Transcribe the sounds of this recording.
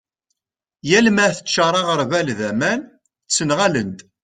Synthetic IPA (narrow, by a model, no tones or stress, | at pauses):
jælmæθə̥t͡ʃːɑɾˤɑʁəɾvælðæmæn | t͡sːənʁælənt̪